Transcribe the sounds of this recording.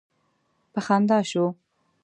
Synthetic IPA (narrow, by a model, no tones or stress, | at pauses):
pəxɑnd̪ɑʃo